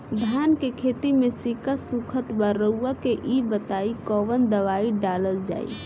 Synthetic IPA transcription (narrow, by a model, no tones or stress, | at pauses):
d̪ʱaːnkekʰet̪imesikasukʰət̪bəɾəuakeʔibət̪aikɔːʋənd̪əʋaiɖaləld͡ʒa̰ːḭ